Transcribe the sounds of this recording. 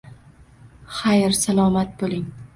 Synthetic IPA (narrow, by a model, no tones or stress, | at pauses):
χajɾsalˠɒmat̪̚bolˠɪŋ